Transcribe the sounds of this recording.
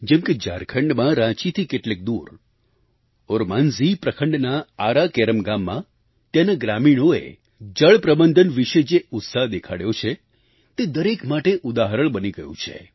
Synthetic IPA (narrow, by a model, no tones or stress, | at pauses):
d͡ʒɛmked͡ʒa̰ɾkʰəɳɖmãɾãt͡ʃit̪ʰikeʈlek̚d̪uɾ | oɾmanzipɾəkʰəɳɖnaːɾakeɾəmɡamːã | t̪janaɡɾamiɽ̃oḛ | d͡ʒəɭpɾəbənd̪ʱənʋiʃed͡ʒeʊt̪saɦd̪ekʰaɽjot͡ʃʰe | t̪ed̪əɾekmaʈeʔʊd̪aɦəɾəɭbəniɡəjṵ̃t͡ʃʰḛ